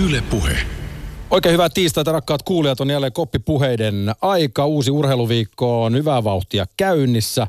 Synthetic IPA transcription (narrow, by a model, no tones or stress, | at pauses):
ylepuhḛ | oikeːhyʋæt̪ːiːst̪æːt̪ɑɾɑkːɑːt̪kuːliɑt̪onːiælːekopːipuɦejdenɑikɑuːsiurheiluʋiːkːoːnhyʋæʋɑuht̪iɑ̰kæynːisːæ